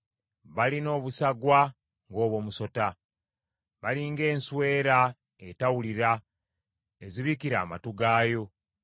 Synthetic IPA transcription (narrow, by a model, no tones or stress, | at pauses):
βalino̞ːβusaɡwa | ŋɡo̞ːβwo̞ːmuso̞ta | βaliŋɡe̞ːnswe̞ːɾa | etawuliɾa | eziβikiɾa̰ːma̰tuɡaːjo̞